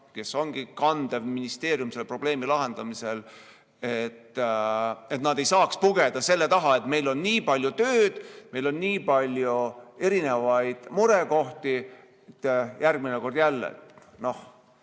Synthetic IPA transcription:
ke̞so̞ŋɡ̥ikɑnd̪evminist̪e̞ːɾjumse̞lːpro̞b̥le̞ːmilɑɦe̞nd̪̥ɑmise̞l | et̪ː | e̞t̪nɑd̪e̞jsɑːkspuɡed̪̥ɑse̞lːe̞t̪ɑɦɑe̞t̪me̞jlo̞nːiːpɑlʲjut̪øːd̪̥me̞jlo̞nːiːpɑlʲjue̞ɾine̞vɑjd̪̥muɾe̞ko̞ht̪i | t̪ːjærɡ̚mineko̞rd̪̥jælːḛt̪ | no̞h

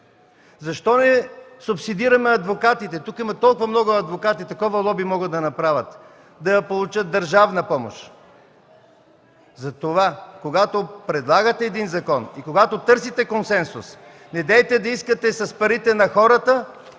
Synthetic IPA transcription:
zɐʃt̪ɔnɛsʊpsid̪iɾɐmɛɐd̪vokat̪it̪ɛt̪ukimɐt̪ɔlˠkʊvɐmnɔɡʊɐd̪vokat̪it̪ɐkɔvɐlˠɔbimɔɡət̪d̪ɐnɐpɾavʲət̪ | d̪ɐjɐpolˠut͡ʃət̪̚d̪ɐɾʒavnɐpɔmo̰ʃ | zɐt̪ovakoɡat̪opɾɛd̪lˠaɡət̪ɛːd̪inzɐkɔnikoɡat̪ot̪ɤɾsit̪ɛkonsɛnsʊs | nɛd̪ɛt̪ɛd̪ɐiskət̪ɛsɐspɐɾit̪ɛnɐxɔɾət̪ə

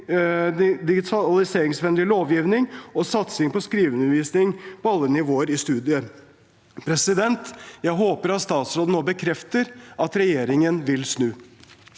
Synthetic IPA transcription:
d̪ɪɡɪt̪ʰɑlɪseːɾɪŋsʋɛnlɪloːʋjiːʋnɪŋɔsɑt̪sɪŋpɔskɾiːʋʉnəʋiːsnɪŋpʰɔɑlːənɪʋoːəɾɪst̪ʉːd̪ɪə | pʰɾɛsɪd̪ɛnt̪jæɪɦoːpəɾɑt̪st̪ɑːt̪sɾoːd̪n̩oːbəkʰɾɛft̪əɾɑt̪ɾɛjeːɾɪŋənʋɪlsnʉː

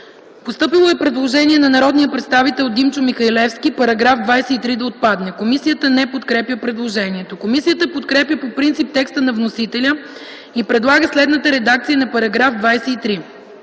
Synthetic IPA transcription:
post̪ɤpilˠoɛpɾɛd̪lˠoʒɛniɛnɐnɐɾɔd̪nijəpɾɛt̪st̪avit̪ɛlˠd̪imt͡ʃʊmixɐilɛfskʲipɐɾɐɡɾavd̪vajsɛit̪ɾid̪ɐot̪̚pad̪nɛkomisijət̪ənɛpot̪kɾɛpjəpɾɛd̪lˠoʒɛniɛt̪okomisiət̪əpot̪kɾɛpjəpopɾint̪sip̚t̪ɛkst̪ənɐvnosit̪ɛlʲə | ipɾɛd̪lˠaɡəslɛd̪nət̪əɾɛd̪ak̚t̪sijənɐpɐɾɐɡɾavd̪vajsɛit̪ɾi

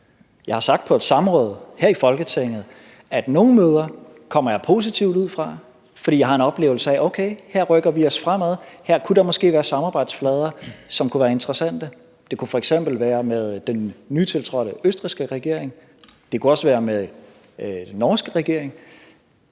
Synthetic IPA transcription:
jɑ̈ɪhɑ̈sɑ̈ɡ̥d̥̚pʰɒ̽e̝d̥sɑ̈mʁɔ̽ːð̞ˠhæɐ̰ifɒ̽lɡ̥ət͡sʰeŋ̰ð̞̩ˠ | æd̥no̝ːn̩møːð̞ˠɐ | kʰɒ̽m̰ɐjɑ̈ɪpʰo̝s̬it͡sʰiʊ̰duð̰ˠfʁɑ̈ | fɒd̥ḭːjɑ̈hɑ̈e̝nɒ̽b̥le̝̰ːʊl̩səæʔoʊkʰeɪheɐ̰ʁœɡ̥ɐʋiɒ̽sfʁam̰æðˠhæɐ̰kʰuɾɑ̈mɒ̽sɡ̥e̝̰ːʋæːɐsɑ̈mɑb̥ɑ̈ɪ̰d̥sflɛːð̞ˠɐsɒ̽mkʰuʋæːɐe̝nt͡sʁɐsæn̰d̥ə | d̥e̝kʰufɒ̽eɡ̥sem̰b̥l̩ʋæːɐmeðˠd̥enːyt͡sʰe̝lt͡sʰʁɒ̽ɾ̥əøsd̥ʁisɡ̥əʁɛɡ̥e̝ɐ̰e̝ŋ | d̥e̝kuɒ̽sʋæːɐmeð̥ˠ | enːɒːsɡ̥əʁɛɡ̥e̝ɐ̰e̝ŋ

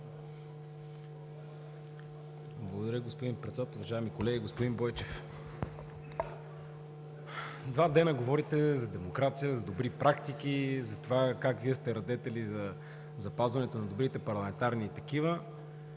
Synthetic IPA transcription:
blˠɐɡod̪ɐɾjəɡospod̪inpɾɛt̪sd̪at̪ʊvɐʒaɛmikolɛɡiɡospod̪inbɔjt͡ʃɛf | d̪vad̪ɛnəɡovɔɾit̪ɛzɐd̪ɛmokɾat̪sijəzɐd̪obɾipɾʔakt̪ik̟izɐt̪ovakakviəst̪ɛɾɐd̪ɛt̪ɛlizɐ | zɐpazvɐnɛt̪onɐd̪obɾit̪ɛpɐɾlˠɐmɛnt̪aɾnit̪ɐkivə

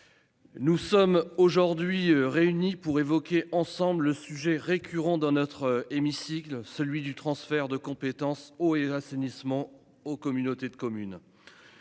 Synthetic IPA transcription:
nusɔmoʒuʁd̪ɥiʁeynipuʁevɔkʲeʔɑ̃sɑ̃blːəsyʒɛʁekʲʰyʁɑ̃d̪ɑ̃nɔt̪χemisiklsəlɥid̪yt̪χɑ̃sfɛʁd̪əkɔ̃pet̪ɑ̃soasenismɑ̃ | okɔmynot̪ed̪əkɔmyn

